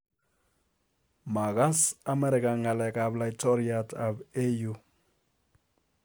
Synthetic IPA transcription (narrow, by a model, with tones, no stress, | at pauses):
ma˨ɣa˦sa˦mɛ˦ɾi˨ka˨ŋa˨lɛ˨kablajtʰɔ˦ɾiata˨be˦ju˦